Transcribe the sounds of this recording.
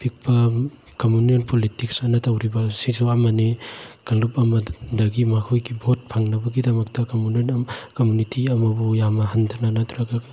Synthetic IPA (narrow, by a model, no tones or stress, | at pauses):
pik̚pɐ | kɐmunijonpʰolitik̚sanɐtawɾibɐsisuɐmɐnikɐlupɐmɐdɐɡimakʰujkibʱot̚pʰaŋnɐbɐɡidɐmɐk̚tɐkɐmunonɐmkomunitiɐmɐbujamɐɦɐndananat̪ʰɾaɡaɡ